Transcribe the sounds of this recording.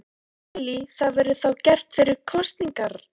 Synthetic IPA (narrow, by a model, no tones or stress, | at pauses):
liθaðvɛɾðʏθawcɛr̥t̪fɪɾɪɾkʰɔst̪niŋkaɾ̥